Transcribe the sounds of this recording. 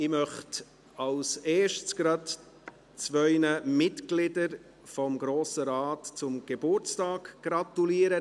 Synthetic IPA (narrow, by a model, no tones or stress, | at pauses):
ɪmœχt | ɑlseːʃtsɡ̥ɾɑd | t͡svœʏnəmɪtɡlɪdəɾ | fɔmɡɾoːsəɾɑːtt͡sʊmɡ̥ebʊɾt͡stɑːɡɡ̥rɑt̪uliːəɾə